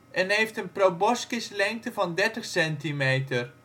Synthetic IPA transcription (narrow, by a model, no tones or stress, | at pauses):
ʔɛnɦejftənprowbɔskɪslɛŋk̚təvɑndɛɹtəχsɛntimejtər